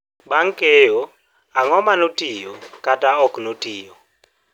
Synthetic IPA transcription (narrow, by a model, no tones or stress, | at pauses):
ɓaŋkʼejɔ | aŋɔmanotʼijɔkʼatʼaɔkʰʼnotʼiːjɔ